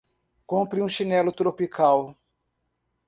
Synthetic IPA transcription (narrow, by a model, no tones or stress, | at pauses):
kõpɾiũʃinɛlʊt̪ɾopikʰaw